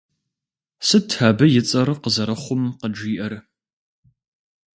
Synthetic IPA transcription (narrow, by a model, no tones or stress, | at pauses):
sɨtʰaːbɐjɪt͡sʼɐrqəzɐɾɐχʷʊmqəd͡ʒiːʔɐr